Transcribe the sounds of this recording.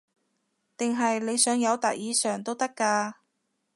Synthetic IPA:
t̪ɪ˨˩ŋɦɐ˨jle˨˧jsœː˨˥ŋjɐ˨˧wt̪a̰˨t̚jiː˨˧sœː˨˩ŋt̪o˥wt̪ɐ˥kːaː˧

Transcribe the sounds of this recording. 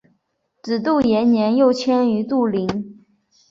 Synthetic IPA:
ʈ͡ʂɻ̩˨˩t̪u˥˩jɛ˧˥nnjɛ˧˥njo˥˩ʊt͡ɕʰjɛ˥ny˧˥t̪u˥˩li˧˥ŋ

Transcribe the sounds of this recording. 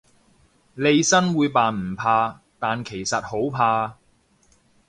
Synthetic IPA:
le˨˧jsɐ˥nwuː˨˧jpaː˨nm̩˨˩pʰaː˧ | t̪aː˨nkʰe˨˩jsɐ˨t̚ho˨˥wpʰaː˧

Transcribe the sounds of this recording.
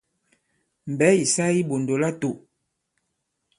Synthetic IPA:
m̩˨bɛ˨˦i˨sa˦i˦bo˨ndo˨la˦to˨

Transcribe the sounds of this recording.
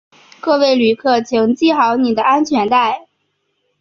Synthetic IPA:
kɤ˥˧we˥˩ɪly˨˩kʰɤ˥˩t͡ɕʰi˧˥ŋt͡ɕi˥˩xɑ˧˥ʊni˨˩d̪ə˦a˥nt͡ɕʰɥɛ˧˥nt̪a˥˩ɪ

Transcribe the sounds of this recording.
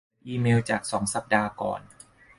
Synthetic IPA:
ʔiː˧meː˧wt͡ɕaː˨˩k̚sɔː˩˦ŋsa˨˩p̚daː˧kɔ̰ː˨˩n

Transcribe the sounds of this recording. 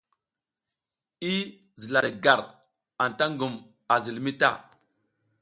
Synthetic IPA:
i˦ | zi˨la˨ɗe˨ɡa˨ɾ | a˨n˨ta˦ŋɡu˨m | a˨zi˨lmi˦ta̰˦˨

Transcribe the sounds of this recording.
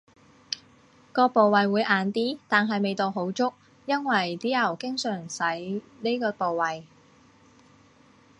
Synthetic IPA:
kɔː˧po˨wɐ˨jwuː˨˧jʔaː˨nt̪iː˥t̪aː˨nɦɐ˨jme˨jt̪o˨wɦo˨˥wt͡sʊ˥k̚ | jɐ˥nwɐ˨˩jt̪iː˨˥ɐ˨˩wkɪ˥ŋsœː˨˩ŋsɐ˨˥j | ne˥kɔː˧po˨wwɐ˨j

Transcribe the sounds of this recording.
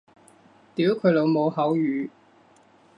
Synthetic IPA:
t̪iː˨˥wkʰɵ˨˧lo˨˧wmo˨˧whɐ˨˥wjyː˨˧

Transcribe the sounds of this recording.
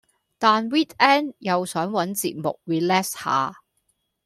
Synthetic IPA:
t̪aː˨nwiː˥t̚ɛː˥njɐ˨˧wsœː˨˥ŋwɐ˨˥nt͡sḭː˧t̚mʊ̰˨k̚wiː˨lɛː˥ksha̰ː˨

